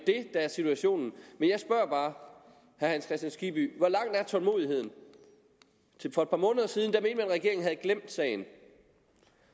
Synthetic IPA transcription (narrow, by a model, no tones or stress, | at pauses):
d̥e̝d̥ææɐsit͡sʰuæɕo̝̰ːnn̩menjɑ̈ɪsb̥ɶɐb̥ɑ̈ː | hæɐhænskʰʁɛsd̥ænsɡ̥ib̥y̰ʋɒlɑ̈ŋ̰d̥æɐt͡sʰɒ̽lmo̝̰ðˠiɦe̝ð̞̰ˠn̩ | efɒ̽ed̥̚pʰɑ̈mɔ̽ːnəðˠɐsiːðˠn̩d̥æme̝ːnd̥mænʁɛɡ̥e̝ɐeŋ̩ɦæð̞̩ˠɡ̥lem̰d̥sɛ̰ːɪn̩